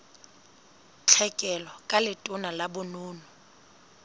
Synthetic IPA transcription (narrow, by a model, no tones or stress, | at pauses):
t͡ɬʰɛkʼɛlɔkʼalɪtʼʊnalabʊnʊːnʊ